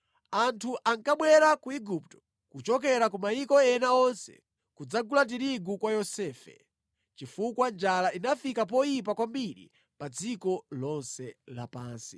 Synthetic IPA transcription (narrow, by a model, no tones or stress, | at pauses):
antʰuʔaŋkaɓwɛɾakuiɡup̚tɔ̥ | kut͡ʃɔk̬ɛɾak̬umajikɔɛnaɔnsɛ̰ | kud͡zaɡulat̬iɾiɡukwajɔsɛːfɛ̰ | t͡ʃifukwand͡ʒalainafikapɔjip̬akwambiɾḭ | pad͡zikɔlɔnsɛla̰paːnsi̥